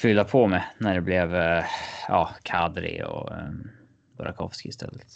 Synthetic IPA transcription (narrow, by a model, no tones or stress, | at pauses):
fʏlːapʰɔmɛnæɖɛblɛv | jʔɑːkʰad̪ɾɪ̰ɔ̰ | bʊɾʔakʰɔvskɪɪst̪ʰɛ̰lːət̪